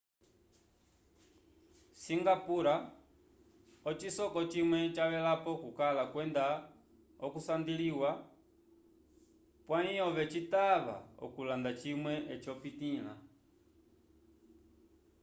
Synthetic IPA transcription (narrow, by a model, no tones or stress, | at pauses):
siŋɡapuɾa | ɔt͡ʃisɔkɔt͡ʃimwɛt͡ʃaβɛlapɔkukalakwɛnda | ɔkusandiliwa | pwaiɔβɛt͡ʃitaβa̰ɔ̰kulandat͡ʃimwɛʔɛt͡ʃɔpitila̰